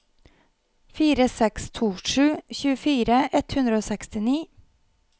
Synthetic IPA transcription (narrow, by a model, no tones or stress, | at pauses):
fiːɾəsɛkst̪ʰuːʂʉːçʉːəfiːɾəʔɛt̪hʉnd̪ɾəoːsɛkst̪ɪniː